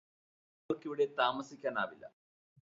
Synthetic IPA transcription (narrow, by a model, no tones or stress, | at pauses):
orkiʋiɽe̞t̪aːmɐsikʲːaːna̰ːʋilːɐ̰